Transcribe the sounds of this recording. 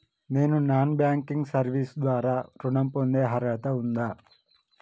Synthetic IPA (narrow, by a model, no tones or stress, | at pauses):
ne̞ːnunaːnbjaːŋkiŋɡsɐɾʋiːsd̪ʋaːɾaːɾuɳɐmpond̪eːɦɐɾaːt̪ɐund̪aː